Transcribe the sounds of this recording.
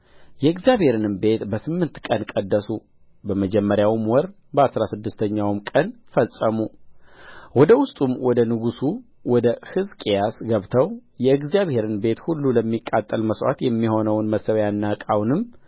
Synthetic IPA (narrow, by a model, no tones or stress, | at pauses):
jɛɨɡzjaβhe̞ɾɨnɨmbe̞t̪bəsɨmːɨnt̪kʼənkʼəd̪ːəsu | bəməd͡ʒɛmːəɾjawmwɔɾ | bəasɾasɨd̪ːɨst̪ʰəɲːawmkʼənfəsʼəmu | wɔd̪əwʊst̪ʼumwɔd̪ənɨɡusu | wɔd̪əhɨzkʼejasɡəβt̪ʰəwjɛɨɡzijaβhe̞ɾɨnbe̞t̪hulːuləmːikʼːat̪ʼːəlməswa̰t̪jɛmːiho̞nəwnməsəwjanːakʼawnɨmː